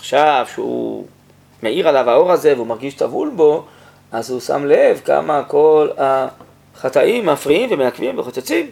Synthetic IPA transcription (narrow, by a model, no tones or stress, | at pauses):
aχʃavʃeṵ | me̞iʁalavhao̞ʁaze̞veumaʁɡiʃtavṵlbo̞ | ʔazhusa̰mle̞vka̰mako̞la | χat̪aʔimːafʁiimvemeakvimveχot͡set͡sim